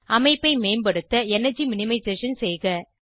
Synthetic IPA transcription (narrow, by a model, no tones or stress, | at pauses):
ɐmɐɪpːɐɪmeːmbɐɽɯt̪ːɐɛnɐd͡ʒimɪnɪmɐɪseːʂɐnsɛjɣɐ